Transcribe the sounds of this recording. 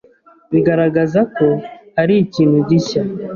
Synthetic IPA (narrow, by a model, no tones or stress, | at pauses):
βiɡaɾaɡazako̞haɾiːciːnhuɟica